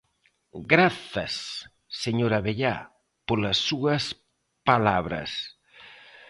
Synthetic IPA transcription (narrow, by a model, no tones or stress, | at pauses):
ɡɾaθɐ̰sː | eɲoɾɐβeʎa | poɾlɐsːuɐs | palaβɾɐ̰s